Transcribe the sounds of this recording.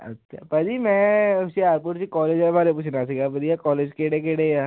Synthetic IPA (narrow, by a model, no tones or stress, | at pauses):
ɐ̰tːʃʰa̰pɐd̪imɛ̃ʊsiaːɾpuːʈsikɔːleːd͡ʒɛbaːɾep̬uːt͡ʃʰnas̬iɡapɐd̪ijakɔːleːd͡ʒkeːɽek̬eːɽejaː